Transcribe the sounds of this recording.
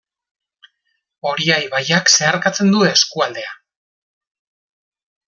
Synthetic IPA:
o̞ɾiajβajakse̞aɾkat͡se̞nd̪ueskuald̪e̞a

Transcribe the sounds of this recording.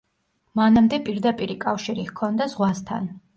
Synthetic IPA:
manamd̪ɛpʼiɾd̪apʼiɾikʼafʃiɾihkʰɔnd̪azʁwast̪ʰa̰n

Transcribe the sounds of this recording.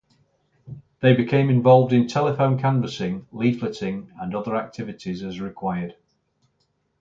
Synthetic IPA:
ðeɪbɪkʰẽɪ̃mɪ̃ɱvɒlˠvdɪ̃ntʰɛlɪfõʊ̃nkʰãɱvəsɪ̃ŋliːd̥flɪtɪ̃ŋə̃nʌðəɹak̚tʰɪvɪtʰɪzəzɹɪkʰw̥aɪəd̥

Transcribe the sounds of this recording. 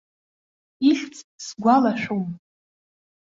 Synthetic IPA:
iɬt͡sʼsɡʷalaʃᶣom

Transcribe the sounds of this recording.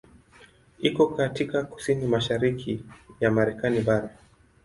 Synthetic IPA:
ikɔkatikaku̥sinimaʃaɾikʰijamaɾɛkaniɓaɾa

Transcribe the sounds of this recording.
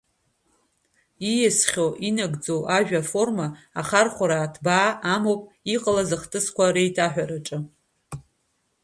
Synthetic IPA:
ijesχʲoʔinaɡd͡zo̞wʔaʒᶣafo̞rmaːχarχʷaɾaːtʰbaːamowpʼ | iqʼəlazɨχtʰʼɨskʷaɾejtʰaħᶣaɾaʈ͡ʂʼɨ

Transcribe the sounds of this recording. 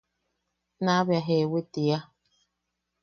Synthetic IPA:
nabjaɦewetija

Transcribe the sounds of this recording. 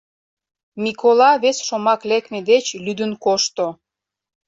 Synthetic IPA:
mikʰolɑβesʃomɑklekmed̪et͡ɕlyd̪ənkoʃt̪o

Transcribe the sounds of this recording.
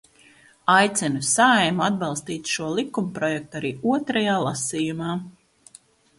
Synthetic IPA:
ajt̪sɛnusaajmuad̪̚bɑlˠst̪iːt̪ʃuɔlˠikumpɾɔjɛk̚t̪uaɾiːuɔt̪ɾajaːlˠasiːjumaː

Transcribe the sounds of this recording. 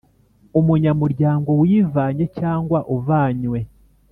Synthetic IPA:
umuɲamuɾɟaːŋɡo̞wiːvaːɲe̞caːŋɡwaʔuvaːɲwe̞

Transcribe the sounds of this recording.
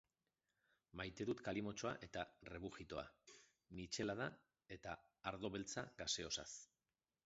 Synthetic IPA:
majt̪e̞ðut̪kalimo̞t͡ʃo̞a̰ʔe̞t̪are̞βuʝit̪o̞a̰ | mit͡ʃe̞laða | e̞t̪aː | ɾðo̞βe̞lt͡sa̰ɡase̞o̞sa̰s

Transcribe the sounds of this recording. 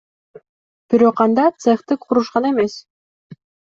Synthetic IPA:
b̥iɾoqɑnd̪ɑt̪seft̪ɯkqʰuɾuʃqɑne̞me̞s

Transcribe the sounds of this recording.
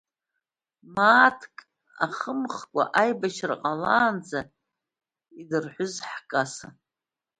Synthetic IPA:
maːtʰkʼ | aχəmχkʷʼa̰ʔajbaʃʰrqʼalaːnd͡za | idɨrħʷʊzħkʼasa

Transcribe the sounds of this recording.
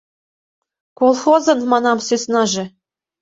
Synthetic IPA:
kolˠxozɤ̆nmɑnɑmsysnɑʒĕ

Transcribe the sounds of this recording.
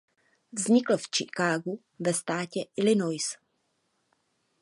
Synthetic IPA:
vzɲɪkl̩ft͡ʃɪkaːɡu | vɛst̪aːcɛʔɪlɪnojs

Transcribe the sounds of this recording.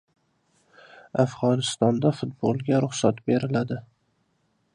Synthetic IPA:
afʁɒnɪst̪ɒnd̪afʊt̪̚bolˠɡʲaɾʊχsat̪be̞ɾɪlad̪ɪ

